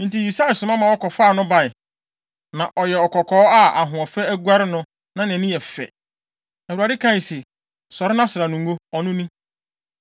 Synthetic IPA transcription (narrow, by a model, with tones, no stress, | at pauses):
n̩˨˦ti˦˨ji˨sa˦ɪ˨sʊ˨mã˦mã˨wɔ˦kɔ˨faː˦˨nʊ̃˦ba˨ɪ˨ | nã˨ʔɔ˨jɛ˨ɔ˨kɔ˨kʰɔː˨˦a˦a̰˨ɦʊ̃˨ɔ˨fɛ˦æ˦ɡu˦a˦ɾɪ˦nʊ̃˦ | nã˨n˨ɛ̃˨nĩ˦ɛ˨fɛ̰˨ | æ˨wu˨a˨dɪ˦kʰã˦i˨sɪ˨ | sɔ˨ɾɪ˦nã˦sʊ˨ɾa˨nʊ̃˨ŋ˦o˦ɔ˨nʊ̃˦nĩ˦